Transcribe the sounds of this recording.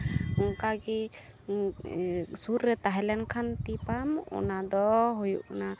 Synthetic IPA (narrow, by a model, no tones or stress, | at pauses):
ɔŋkaɡɛ | suɾːɛt̪aɦɛlɛnkʰant̪ipamɔ̰nad̪ɔɦujṵʔna